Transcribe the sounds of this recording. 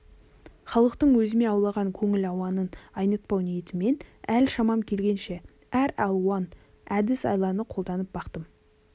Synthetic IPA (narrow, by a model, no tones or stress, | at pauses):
χɑlˠəqt̪əɴwɵzɪne̞ɑwlˠɑʁɑŋkʲʰɵŋɪlɑwɑnənɑjnət̪̚pɑwnijet̪ɪme̞nælʃɑmɑmkʲʰe̞lɡʲe̞nʃe̞ | æɾɑlˠwɑn | æd̪ɪsɑ̰jlˠɑnəqʰo̞lˠd̪ɑnəp̚b̥ɑqt̪əm